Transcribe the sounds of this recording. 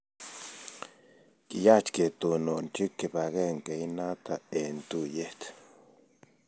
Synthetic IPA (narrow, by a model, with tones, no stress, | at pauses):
ki˨ja˦t͡ʃke˨t̪u˨no˨nt͡ʃi˦kːe˨pa˨ɣe˦ŋke˨jna˦t̪a˨e˨nt̪u˦je˦ht̪